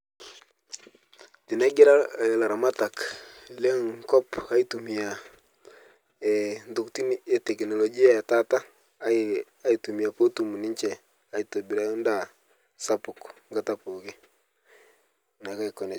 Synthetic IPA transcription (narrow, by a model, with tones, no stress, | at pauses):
tɪ˨na˦ɡɪ˦ɾa˦˨la˨ɾa˨ma˦ta˨kle˦ŋkɔ˦pa˦i˦tu˨mi˨a˨ | ndʊ˨kti˦n˦e˦tɛ˨knɔ˨lɔ˨ɡi˦a˦˨ta˦ta˦ | a˦i˨tu˨mi˨a˨po˦tu˨mu˨nɪ˦ɲt͡ʃɛ˨ | a˨i˦to˨bi˨ɾa˦jo˦nda˦˨ | sa˦pʊ˨kŋɡa˨ta˦po˨ɡɪ˦ | na˨ka˦kɔ˨nɛ˨